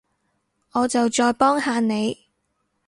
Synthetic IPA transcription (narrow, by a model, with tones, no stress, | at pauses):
ŋɔː˨˧t͡sɐ˨wt͡ʃɔː˧jpɔː˥ŋhaː˨˧ne˨˧j